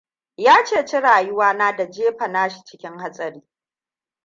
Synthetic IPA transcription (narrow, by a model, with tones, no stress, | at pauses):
jaː˦t͡ʃeː˦˨t͡ʃɪ˦ɽaː˨jʊ˦waː˦naː˦da˨d͡ʒeː˦ɸɐ˨naː˦ʃi̥˨t͡ʃɪ˦kʲɪ˦ŋha˦sʼɐ˨ɾiː˦